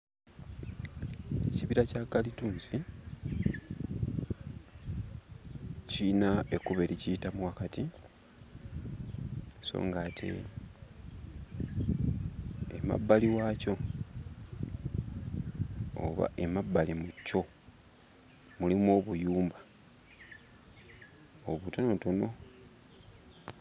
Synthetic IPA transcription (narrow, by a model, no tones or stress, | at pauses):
e̞̰ciβiɾacakːalituːnsi | cinae̞kuβeɾicijitamuwakati | eso̞̰ːŋɡaːtʰe̞̰ | ema̰bːaliwaco̞ | o̰βa̰ʔe̞mabːalimucːo̞ | mulimo̞ːβujuːmbḁ | oβutono̞tono̞